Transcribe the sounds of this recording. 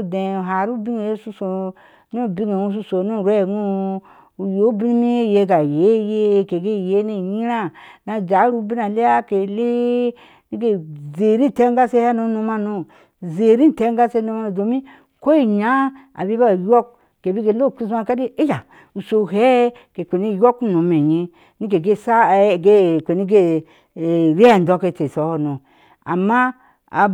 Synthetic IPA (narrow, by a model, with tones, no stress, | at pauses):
de˨u˨ɦa˨ɾu˦bi˦ŋe˨je˦su˦so˨ | nu˦˨bi˦ŋe˨u˦s̬u˦so˨nu˦˨ɾe˦˨ɡu˦ | u˨jo˦bi˦ni˦mi˦e˦˨je˨ɡa˨je˨˦je˦˨ke˨ɡe˦˨je˦ne˦˨ji˦ɾa˦na˨d͡ʒa˨˦ɾu˦bi˦na˨le˦ja˦ke˨le˦ | ni˦ɡe˨ze˨ɾi˦˨te˦ŋɡa˦se˦ha˦no˦nu˧ma˦no˦ | ze˨ɾi˦n˨te˨˦ŋ˦ɡa˦se˧˦no˧ma˦˨do˨mi˦ | ko˦i˦ɲa˨˦a̰˨bi˦ba˦˨jo˦k̚ | ke˨bi˦ɡe˧˨lo˦˨ki˦za˧˨ka˦di˦e˦d͡ʒa˨ | u˨so˨ɦɛ˦ | ke˨kʷe˨ni˦˨jo˦kno˨˦me˨ɲi˦ | ni˦ke˨ɡe˦˨sa˦˨ɡe˦˨kʷe˨ni˦ɡe˦˨ | ɾe˦˨n˨dɔ˦ke˧˨te˨sɔ˨˦hnõ˨ | a̰˨mːa˦ | a̰˨